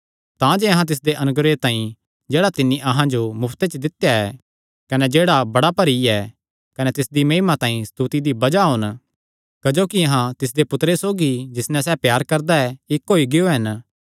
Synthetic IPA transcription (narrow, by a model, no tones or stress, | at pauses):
t̪ãd͡ʒeɐɦãt̪ɪs̬d̪eʔɐnʊɡɾet̪ãːĩ | d͡ʒeːɽat̪ɪnːiʔɐɦãd͡ʒomʊpʰt̪et͡ʃəd̪ɪt̪jaɛ | kɐnɛd͡ʒeːɽabɐɽapɐɾiɛː | kɐnɛt̪ɪsd̪imɐ̃ːɪmat̪ãːĩst̪uːt̪id̪ibɐd͡ʒaɦʊn | kɐd͡ʒoːkiɐɦãt̪ɪs̬d̪epʊt̪ɾesoːɡid͡ʒɪsnɛ̃s̬ɛːpjaːɾkɐɾd̪aɛɪkɦoːiɡɪjoɦɐn